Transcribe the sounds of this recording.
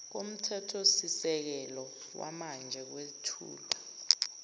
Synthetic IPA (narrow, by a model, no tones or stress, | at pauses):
k̬om̩tʰɛtʰosisɛk̬ɛlɔ | wa̰mand͡ʒʱɛk̬wesitʰṵːlɔ